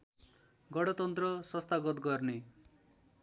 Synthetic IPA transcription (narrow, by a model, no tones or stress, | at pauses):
ɡʌɽʌt̪ʌnt̪rʌsʌst̪aɡʌt̪ɡʌrne